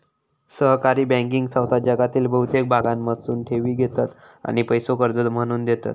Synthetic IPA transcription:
səɦkaɾiːbɛ̃ŋk̬iŋɡsawt̪ad͡ʑaɡat̪iːlbəɦut̪ek̚bʱaɡamːəsuːnʈʰeʋiːɡʱet̪at̪ | a̰ɽ̃ipəjsokəɾd͡zət̪m̤əɽ̃uːnd̪et̪a̰t̪

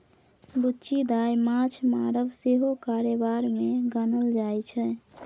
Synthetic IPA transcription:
butːt͡ʃʰid̪ajmat͡ʃʰmaɾəbseɦokaɾebaɾmeɡənəld͡ʒajt͡ʃʰɛ

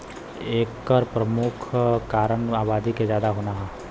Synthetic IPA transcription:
eːkːəɾpɾəmʊkʰkaːɾəɳaːbaːd̪ʱiked͡ʒjaːd̪aɦoːnaɦɛː

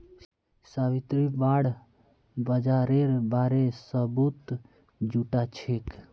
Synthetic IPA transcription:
saβit̪ɾibaɽ | bəd͡ʒaɾeɾbaɾesəbut̪ | d͡ʒuʈat͡ʃʰek

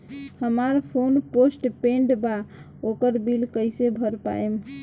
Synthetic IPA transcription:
həmaɾpʰonposʈpẽɳɖba | okəɾbilkəjsebʱəɾpa̰em

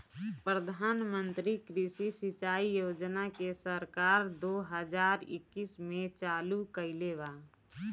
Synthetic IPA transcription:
pɾəd̪ʱaːnmə̃nt̪ɾikɾisisɪt͡ʃaːijoːd͡ʒnakesəɾkaːɾd̪oːɦəd͡ʒaːɾɪ̰kːismẽt͡ʃaːlukəɪleʋa

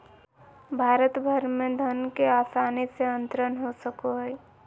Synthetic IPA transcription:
bʱaːɾət̪bʱəɾmẽd̪ʱənkeaːsaːniseənt̪ɾənɦosəkoɦəj

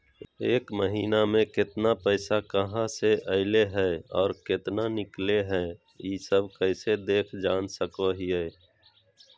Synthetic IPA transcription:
eːkməɦiːnamẽkɪt̪napɛːsakəɦãseʔəɪleɦɛːɔːɾkɪt̪nanɪkleɦɛ̃ | jiːsəb̚kəɪsed̪eːkʰd͡ʒaːnsəkoɦiɦɛː

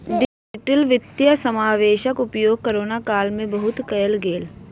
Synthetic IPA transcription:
ɖɪd͡ʒɪʈəlʋɪt̪jəsɐmaːʋeːʃəkʊpjoːɡ̚kəɾoːnakaːlmẽbɐɦʊt̪kɐjəlɡeːl

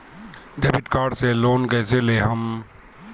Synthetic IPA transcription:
ɖeːbɪʈkaːɾɖseloːnkɛːseleɦɐm

